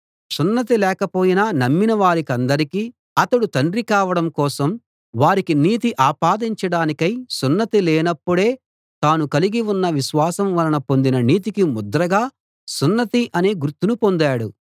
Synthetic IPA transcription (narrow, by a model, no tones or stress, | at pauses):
sunːɐt̪ilɛːkɐpo̞ːjinɐnɐmːinɐʋaːɾikɐnd̪ɐɾikiː | ɐt̪ɐɽut̪ɐɳrikaːʋɐɽɐmkɔːsɐm | ʋaːɾikiniːt̪̬iʔaːpaːd̪iɲt͡ʃɐɽaːnikɐjsunːɐt̪ilɛːnɐpːuɽe̞ː | t̪aːnukɐliɡiunːɐʋiʃʋaːsɐmʋɐlɐnɐpond̪inɐniːt̪ikimud̪ɾɐɡaː | sunːɐt̪iʔɐneːɡuɾt̪ːunupo̞nd̪aːɽṵ